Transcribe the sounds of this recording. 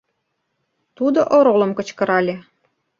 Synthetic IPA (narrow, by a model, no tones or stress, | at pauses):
t̪ud̪oʔoɾolŏmkɤ̆t͡ɕkɤ̆ɾɑlʲe